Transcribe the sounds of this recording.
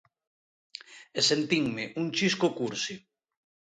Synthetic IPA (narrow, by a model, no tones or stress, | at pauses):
esent̪iŋmeʔuŋt͡ʃiskokuɾsi